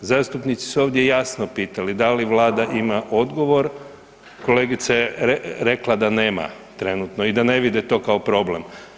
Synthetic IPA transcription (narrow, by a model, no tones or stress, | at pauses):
zaːst̪upnit̪si̥suoʋd̪je̞jasnopiːt̪alid̪aliʋlˠaːd̪aʔimaʔo̞d̪ɡo̞ʋo̞ɾ | ko̞le̞ːɡit̪saeɾe̞klad̪aneːma̰t̪ɾe̞nut̪no̞id̪ane̞ʋid̪et̪o̞ːkaopɾo̞ble̞m